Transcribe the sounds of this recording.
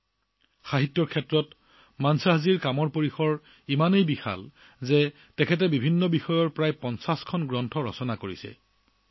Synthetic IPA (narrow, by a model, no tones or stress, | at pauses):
xaɦitːjɔɹkʰɛtːɹɔt | mansaɦaziɹkamɔɹpoɹixɔɹ | imanejbixa̰l | zɛ | tɛkʰɛtɛbibʱinːɔbixɔjɔɹpɹajpɔnsaskʰɔnɡɹɔntʰɔɹɔ̰sɔnakoɹisɛ̰